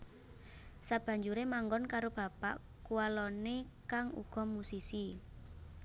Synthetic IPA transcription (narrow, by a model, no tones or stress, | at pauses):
sab̥ä̤ɲd͡ʒuɾemaŋɡɔnkaɾob̥a̤pa̰ʔ | kualɔnekaŋṵɡ̥ɔ̤musisi